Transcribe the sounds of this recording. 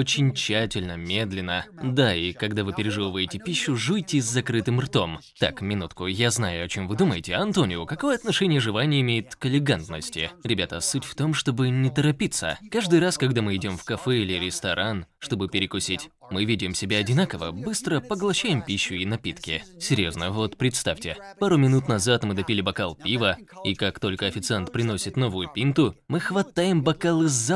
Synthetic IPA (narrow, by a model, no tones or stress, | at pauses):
ot͡ɕɪnʲt͡ɕːætʲɪlʲnəmʲe̞d̪lʲɪnəd̪aikɐɡd̪avɨpʲɪɾʲɪʐɨvˠəvəjɪtʲɪpʲiɕːʊʐujtʲɪzʲzɐkɾɨt̪ɨmrt̪o̞mt̪a̰kmʲɪnut̪kʊjaznajʊɐt͡ɕo̞mvɨd̪uməjɪtʲɪɐnt̪onʲɪjʊkɐko̞jəɐt̪nɐʂɛnʲɪjəʐɨvˠanʲɪjəɪmʲejɪt̪kəlʲɪɡant̪nəsʲtʲɪ̰ɾʲɪbʲat̪əsutʲft̪o̞mʂt̪o̞bɨnʲɪt̪əɾɐpʲit̪sə̰kaʐd̪ɨjraskɐɡd̪amɨɪdʲo̞mfkɐfɛilʲɪɾʲɪst̪ɐɾʔanʂt̪o̞bɨpʲɪɾʲɪkʊsʲitʲ | mɨvʲidʲɪmsʲɪbʲaɐdʲɪnakəvəbɨst̪ɾəpəɡlˠɐɕːæjɪmpʲiɕːʊinɐpʲit̪kʲɪsʲɪɾʲjo̞znəvo̞t̪pɾʲɪt̪st̪afʲtʲɪpaɾʊmʲɪnut̪nɐzat̪mɨd̪ɐpʲilʲɪbɐkalˠpʲivəikakt̪o̞lʲkəɐfʲɪt̪sɨant̪pɾʲɪno̞sʲɪt̪no̞vʊjʊpʲint̪ʊmɨxvɐt̪ajɪmbɐkalˠɨzːa